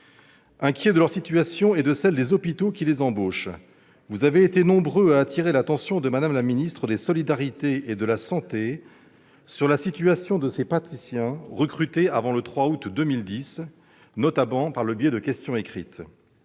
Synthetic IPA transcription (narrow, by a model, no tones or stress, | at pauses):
ɛ̃kʲjed̪əlœʁsit̪yasjɔ̃ɛd̪əsɛld̪ezɔpit̪okʲilezɑ̃boʃ | vuzaveːt̪enɔ̃bʁøaːt̪ʰiʁelat̪ɑ̃sjɔ̃d̪əmad̪amlaminist̪χəd̪esɔlid̪aʁit̪eed̪əlasɑ̃t̪e | syʁlasit̪yasjɔ̃d̪əsepat̪isjɛ̃ʁəkχyt̪eavɑ̃lət̪χwaut̪d̪əmild̪is | nɔt̪abɑ̃paʁləbjɛd̪əkʲɛst̪jɔ̃ekχit̪